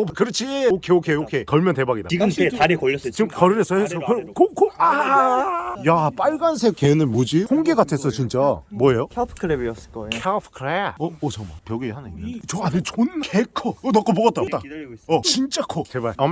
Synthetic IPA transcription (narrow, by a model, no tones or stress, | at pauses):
opkɯɾʌt͡ɕʰiokʰeokʰeokʰekʌɭmjʌnte̞baɡida̰iɡɯmetaɾikʌɭːʌs͈ʌt͡ɕimkʌɾɯɾesʰʌhesʰʌkɯkʰokʰoa | jap͈aɭɡansʰekenɯmod͡ʑihoŋɡeɡatʰes͈ʌt͡ɕint͡ɕ͈amwʌejokʰepʰkʰɯɾebiʌs͈ɯ̥k͈ʌkʰepʰkʰɯɾeʌot͡ɕʰʌma̰pjʌɡihanɯinːt͡ɕʌanet͡ɕonkʰekʰoonʌk͈obʌɡʌt͈at͈aʌt͡ɕint͡ɕ͈akʰotebaia